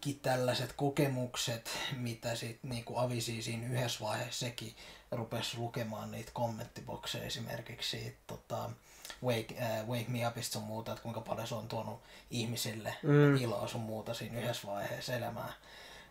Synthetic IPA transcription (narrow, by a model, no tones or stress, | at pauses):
kit̪ælːæset̪kokemukset̪mit̪æsit̪niːkuɑʋisiːsiːnyhesʋɑiheːsːekirupeslukemɑːnniːt̪komːent̪ːibo̰ksḛːḛsimḛrkikssiːt̪t̪ot̪ɑ | weikːweikmiɑpist̪summuːt̪ɑet̪kuiŋkɑpɑljoseont̪uonuihmisilːḛilɑ̰ːsummuːt̪ɑsiːnyhesʋɑiheːselæmæ̰ː